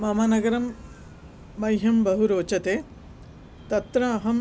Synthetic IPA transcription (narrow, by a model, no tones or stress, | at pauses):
mɐmaːnɐɡɐɾɐmː | ɐjɦɐmbɐɦuɾoːt͡ʃɐt̪eː | t̪ɐt̪ɾɐːɦɐm